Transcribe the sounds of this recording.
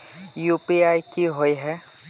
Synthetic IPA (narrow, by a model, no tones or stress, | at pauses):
jupiajkiɦojɦɛ